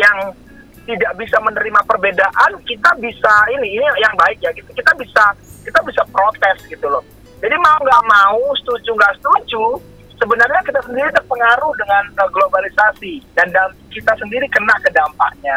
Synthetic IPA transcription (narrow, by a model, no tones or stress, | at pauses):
jaŋ | t̪idaʔbisamənəɾimapərbedaʔankit̪abisainiːnijaŋbaɪk̚jaɡit̪ukit̪abisakit̪abisapɾot̪ɛsɡit̪ulɔh | d͡ʒadimauŋɡaʔmaust̪ud͡ʒuŋɡaʔst̪ud͡ʒu | səbənarɲakit̪asəndiɾidəpəŋaɾʊhdəŋanəɡlobalisasidandakit̪asəndiɾikənaʔkədampa̰ʔɲa